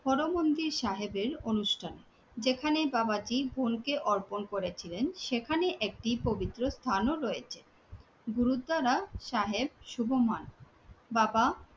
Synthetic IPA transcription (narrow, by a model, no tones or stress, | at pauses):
hɔɾomond̪iɾʃaɦebeɾonuʃʈʰane | d͡ʑekʰanebabad͡ʑibʱonkeʔɔɾponkoɾet͡ɕʰilenʃekʰaneʔek̚ʈipobit̪ːɾost̪ʰanoɾojet͡ɕʰe | ɡuɾud̪aɾaʃaɦeb̚ʃubʱoman | baba